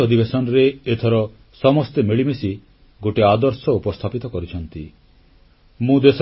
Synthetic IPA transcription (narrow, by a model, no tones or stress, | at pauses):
ɔd̪ibesɔnɔɾeːt̪ʰɔɾɔ | sɔmɔst̪emeɭimesi | ɡoʈead̪ɔɾsɔupɔst̪ʰapit̪ɔkɔɾit͡ʃʰɔnt̪i | mũd̪es